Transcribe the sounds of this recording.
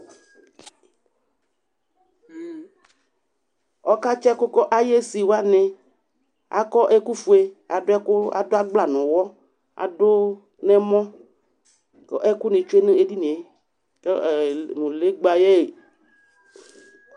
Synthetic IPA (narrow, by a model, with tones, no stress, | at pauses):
ɔ˦ka˦t͡ʃɛ˦kʊ˦kɔ˦ʔa˦je˦si˨wa˦nẽ˨ | a̰˨kɔ˦ʔe˦ku˦fu˨e˦a˨dʊ˦ɛ˦kʊ˦a̰˨do˦a˦ɡ͡bla˨nʊ̃˨wɔ˦ | a̰˨do˦ | nɛ̃˦mɔ̃˦ | kɔ˦ʔe˦ku˦nẽ˨t͡ʃu˦e˦nẽ˦e˦di˦nẽ˨e˦ | ke˦˨ŋũ˨le˦ɡ͡ba˨je˦e˨